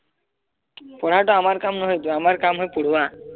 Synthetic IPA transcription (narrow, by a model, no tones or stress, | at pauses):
pɔɽ̤aʈɔamaɾkamnɔɦojt̪uamaɾkamɦojpuɽ̤uwa